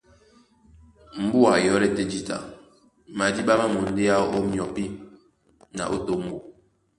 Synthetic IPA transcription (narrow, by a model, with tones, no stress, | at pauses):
m̩˦bu˦a˨jɔ˦ɾɛ˦te˦d͡ʒi˦ta̰˨ | ma˨di˦ɓa˦ma˦mo˨n̩˦de˦a˦o˦mjɔ˨pi˦ | na̰˨ʔo˦to˦˨m̩˦bo˨